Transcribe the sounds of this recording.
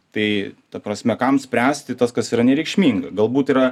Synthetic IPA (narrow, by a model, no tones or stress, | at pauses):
t̪ɐɪt̪ɐpɾɐsʲmʲɛkɐmsʲpʲɾʲæːsʲt̪ʲɪt̪ɐskɐsiːɾɐnʲɛɾʲɛɪkʃʲmʲiːŋɡɐɡɐlˠbuːt̪iːɾɐ